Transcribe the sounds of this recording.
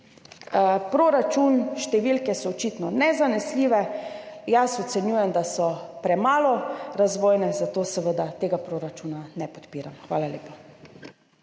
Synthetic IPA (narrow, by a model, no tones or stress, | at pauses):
pɾoːɾat͡ʃunʃt̪ɛʋiːlkɛsɔːt͡ʃiːt̪nɔnɛzanɛsliːʋɛ | jasɔt̪sɛnjuːjɛmd̪asɔpɾɛmaːlɔɾazʋoːjnɛzat̪oːsɛʋəd̪at̪eːɡapɾoːɾat͡ʃuːnanɛpɔ̥t̪piːɾamxʋa̰ːlaleːpa